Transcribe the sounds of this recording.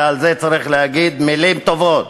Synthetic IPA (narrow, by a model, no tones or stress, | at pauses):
alzet͡saʁiχlehaɡid̪milimt̪o̞vot̪